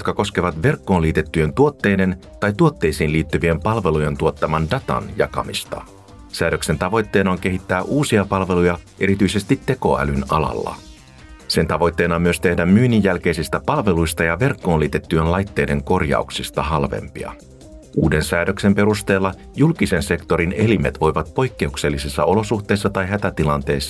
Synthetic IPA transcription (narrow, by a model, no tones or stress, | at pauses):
jot̪kɑko̞ske̞ʋɑt̪ʋe̞rkːo̞ːnliːt̪e̞t̪ːyje̞nt̪uo̞t̪ːe̞ːjde̞nt̪ɑjt̪uot̪ːe̞jsiːnliːt̪ːyʋie̞mpɑlʋe̞luje̞nt̪uot̪ːɑmɑndɑt̪ɑ̰njɑ̰kɑ̰mist̪ɑ̰ | sæːɾø̞kse̞nt̪ɑʋo̞jt̪ːe̞ːnɑoŋk̟eɦit̪ːæːʔuːsiɑpɑlʋe̞lujɑʔeɾit̪yise̞st̪it̪ːe̞ko̞æ̰lynɑ̰lɑ̰lːɑ̰ | se̞nt̪ɑʋo̞jt̪ːe̞ːnɑmyøst̪e̞hdæmmyːnijːælk̟e̞jsist̪æpɑlʋe̞lujst̪ɑjɑʋe̞rkːo̞ːnliːt̪e̞t̪ːyenlɑjt̪ːe̞ːde̞ŋko̞rjɑ̰uksist̪ɑɦɑlʋe̞̰mpḭɑ̰ | ʔuːde̞nsæːdø̞kse̞mpe̞ɾust̪e̞ːlːɑ | julk̟ise̞nse̞kt̪o̞ɾine̞lime̞t̪ʋo̞jʋɑt̪̚po̞jkːe̞ukse̞lːisisːɑo̞lo̞suxt̪ˑe̞jsːɑt̪ɑjɦæt̪æt̪ilɑnt̪e̞ːsːɑ̥